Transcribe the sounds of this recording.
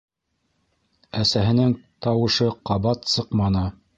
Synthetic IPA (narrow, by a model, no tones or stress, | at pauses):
æsæɦɘ̆nɘŋt̪ɑwɤ̆ʃɤqɑβɑt̪sɤqmɑnɤ